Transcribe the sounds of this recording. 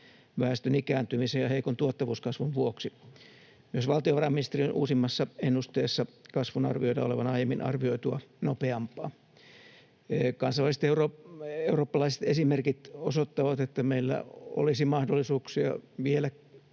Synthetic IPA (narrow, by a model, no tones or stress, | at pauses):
ʋæːst̪ønikæːnt̪ymisejjɑheikont̪uot̪ːɑʋuːskɑsʋunʋuoksi | yosʋɑlt̪ioʋɑrɑminist̪erionʔṵːsimːɑsːɑenːust̪eːsːɑkɑsʋunɑ̰rʋioidɑoleʋɑnɑijemːinɑ̰rʋioit̪uɑnopeɑmpˑɑː | kɑnsɑlːɑˑlise̥t̪euroeuroːpːɑlɑise̥t̪esimerkit̪osot̪ːɑʋɑt̪et̪ːæmeilːæ̰o̰lisimɑhdolːisuːksiɑ̰ʋielæ